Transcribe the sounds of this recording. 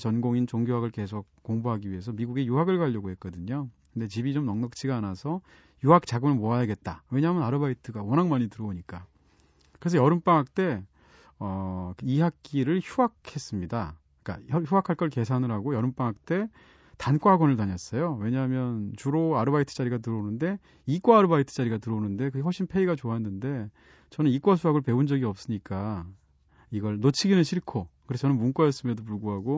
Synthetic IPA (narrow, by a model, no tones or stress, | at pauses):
t͡ɕʌnɡoŋint͡ɕoŋɡjoɦaɡɯɭke̞s̬ʰok̚k͈ːoŋboɦaɡiɥiɦe̞sʰʌmiɡuɡejuɦaɡɯɭɡaʎːʌɡoɦe̞t̚k͈ʌdɯɲokɯnde̞t͡ɕibit͡ɕomnʌŋnʌk̚t͡ɕʰiɡaːnasʰʌ | juɦak̚t͡ɕaɡɯmɯɭmoajaɡe̞t̚t͈awe̞ɲaɦmjʌnaɾɯbaitʰɯɡawʌnaŋmaɲitɯɾʌoɲik͈a | kɯɾe̞s̬ʰʌjʌɾɯmp͈aŋɦak̚t͈e̞ | ʌiɦak̚k͈iɾɯɭçuɦakʰe̞s͈ɯmɲida | k͈a̰ʌçuɦakʰaɭk͈ʌɭke̞sʰanɯɭɦaɡojʌɾɯmp͈aŋak̚t͈e̞ | tank͈aaɡwʌnɯɭtaɲʌs͈ʌjowe̞ɲaɦmjʌnt͡ɕuɾoaɾɯbaitʰɯ̥t͡ɕ͈aɾiɡatɯɾʌunɯnde̞ | ik͈waaɾɯbaitʰɯ̥t͡ɕ͈aɾiɡatɯɾʌunɯnde̞kɯɡehoɭɕ͈ʰinpʰe̞iɡat͡ɕoaɦenːɯnde̞ | t͡ɕʌnɯnik͈was̬ʰuɦaɡɯɭpe̞und͡ʑʌɡiʌp̚s͈ɯɲik͈a | iɡʌɭnot͡ɕʰiɡinɯnɕʰiɭkʰokɯɾesʰʌt͡ɕʌnɯnmunk͈wajʌs͈ɯmʌdop̬uɭɡoɦaɡo